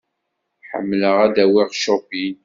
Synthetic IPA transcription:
ħə̰mːləʁæd̪æwiʁʃobin

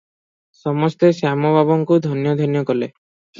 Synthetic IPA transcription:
sɔmɔst̪esamɔbʱabɔŋkud̪ʱɔnjɔd̪ʱɔnjɔkɔle

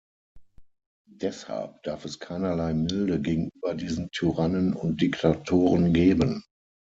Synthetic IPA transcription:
d̥ɛsha̰lp̚d̥aɐfɛskʰaɪnɐlaɪmɪldəɡeːɡŋ̩yːbɐdiːzn̩tʰyʁanənʊ̰nt̚d̥ɪktʰatʰoːʁənɡeːbən

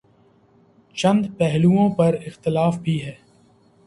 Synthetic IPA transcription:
t͡ʃɐ̃nd̪pɛɦluõpɐɾɪxt̪ɪlaːfbʱiɦɛː

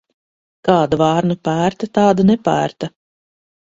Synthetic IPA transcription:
kɑːd̪avɑːɾnupæːɾt̪at̪aːd̪anɛpæ̰ːɾt̪a

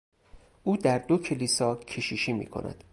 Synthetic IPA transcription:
ʔuːd̪æɾd̪ocʰe̞liːsɒːcʰeʃiʃiːmḭːkʰo̰nʔæ̰d̪̥

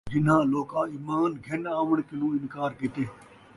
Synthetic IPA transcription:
d͡ʒɪn̤ãːloːkãːiːmaːnɡʱɐnaːʋəɳ̃kɪlũːɪnkaːɾkɪt̪eː

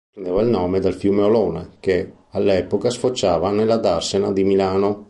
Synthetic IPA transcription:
pɾend̪eːvailnɔːmed̪alfjuːmeoloːneke | alːɛːpokasfot͡ʃːaːvanelːad̪arsenad̪imilaːno

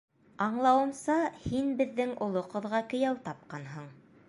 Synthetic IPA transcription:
ɑɴlˠɑwɤ̆msɑhinbɘ̆ðːɘŋŏlˠoqɤ̆ðʁɑkɵ̆jæwt̪ɑp̚qɑnɦɤɴ

